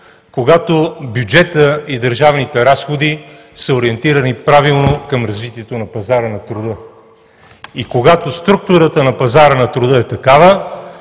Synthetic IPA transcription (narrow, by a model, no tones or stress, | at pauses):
koɡat̪objud͡ʒɛt̪əid̪əɾʒavnit̪ɛɾasxod̪i | səoɾiɛnt̪iɾənipɾavilˠnokɐmɾɐzvit̪iɛt̪onɐpɐzaɾənɐt̪ɾʊd̪ɤ | ikoɡat̪ost̪ɾuk̚t̪ʊɾət̪ənɐpɐzaɾənɐt̪ɾʊd̪əɛt̪ɐkavə